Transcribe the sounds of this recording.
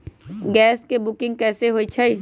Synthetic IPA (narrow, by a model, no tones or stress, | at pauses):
ɡɛːskebʊkɪ̃ŋɡ̚kɛːseɦoːit͡ʃʰai